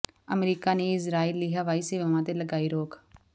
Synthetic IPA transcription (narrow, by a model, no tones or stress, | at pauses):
əmɾiːkaːneːɪsɾaːiːlːɪɦaːʋaːiːsɪʋəːʋãːt̪eːləɡaːiːɾoːk